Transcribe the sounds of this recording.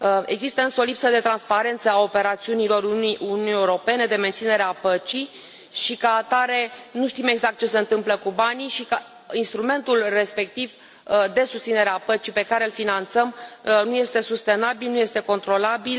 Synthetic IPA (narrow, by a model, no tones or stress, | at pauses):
e̞̰ɡzist̪əɨnsəo̞lipsəd̪e̞t̪ɾanspaɾe̞nt̪səao̞peɾat̪siunilo̞ɾuiunʲiunijeuɾo̞pe̞ne̞d̪e̞ment̪sine̞ɾeapət͡ʃi | ʃikaːt̪aɾe̞nuʃt̪ime̞ɡzakt̪̚t͡ʃe̞se̞ɨnt̪ɨmpləkubaniʃika | inst̪ɾume̞nt̪ulre̞spe̞k̚t̪iv | d̪e̞sust̪sine̞ɾeapət͡ʃipe̞kaɾe̞ɨlfinant̪səmnuje̞st̪e̞sust̪e̞nabilnuje̞st̪e̞ko̞nt̪ɾo̞labil